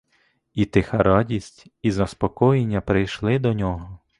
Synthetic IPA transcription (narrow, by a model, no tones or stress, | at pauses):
it̪ɪxɐɾɑdʲisʲtʲizɐspɔkɔjenʲːɐpɾɪjʃlˠɪd̪ɔnʲɔɦɔ